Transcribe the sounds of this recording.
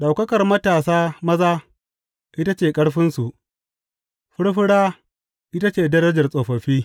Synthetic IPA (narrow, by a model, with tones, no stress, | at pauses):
ɗa˨wkɐ˦kɐ˨rmɐ˦taː˨saː˦mɐ˦zaː˦ | ʔɪ˦ta˦t͡ʃeː˨kʼɐ˦ɽɸɪ˦nsu˨ʔ | ɸʊ˦ɽɸɪ˦ɽaː˦ | ʔɪ˦ta˦t͡ʃeː˨dɐ˦ɾɐ˦d͡ʒɐ˨rsʼoː˨ɸɐ˨ɸiː˦